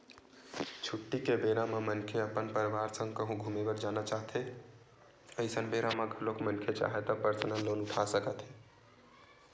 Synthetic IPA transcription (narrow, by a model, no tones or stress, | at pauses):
t͡ʃʰuʈːikebeɾamẽmənkʰeəpənpəɾʋaːɾsə̃ŋɡkəɦũɡʱumebəɾd͡ʒanat͡ʃaɦt̪ʰɦe | əisənbeɾamaɡʱəlokmənkʰet͡ʃa̰ɦet̪ɔpəɾsənəlːoːnʊʈʰasəkət̪ɦe